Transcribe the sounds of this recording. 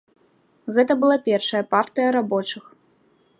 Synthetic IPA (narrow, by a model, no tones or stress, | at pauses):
ɣɛt̪ɐbɨlˠapʲɛrʂɐjɐpart̪ɨjɐɾabɔt͡ʂɨx